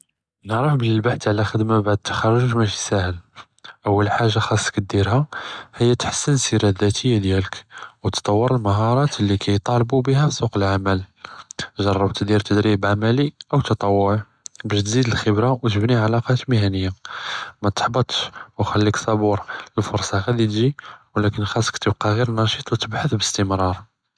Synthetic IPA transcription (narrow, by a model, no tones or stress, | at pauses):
nəʕɾˤɑħbələlbaħt̪ʕlæxəd̪mabaʕd̪̚t̪ːḁxɑrˤːʊʒmæʃi̥sæhəl | ʔəwːəlħaʒːaxɑsˤːkəd̪iɾhæhəjːæt̪ħə̥sːənsiɾæd̪æt̪ʰəjːad̪jæləkwt̪t̪ˤːɑwːəɾəlməɦɑɾˤɑt̪lːikʰæjt̪ˤɑlbubihæfsˤuqəlʕamæl | ʒɑrˤːɑbt̪d̪iɾt̪əd̪ɾibʕamæliʔəwt̪ɑt̪ˤɑwːʊʕ | bæʃt̪zid̪əlxəbɾawt̪əbniʕalɑqɑt̪mihænəjːamæt̪ħbət̪ˤʃwxælːiksˤɑbuɾəlfʊɾˤsˤɑxæd̪it̪ʒiwlækənxɑsˤːkt̪əbqɑɣiɾəlnɑʃit̪ˤwt̪əbħəθbəst̪əmɾˤɑɾˤ